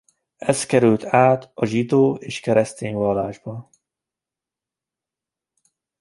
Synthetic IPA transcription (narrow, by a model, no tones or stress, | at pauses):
ɛskɛɾylt̪ʰaːt̪ɒʒid̪oːeːʃkɛɾɛst̪eːɲvɒlːaːʒbɒ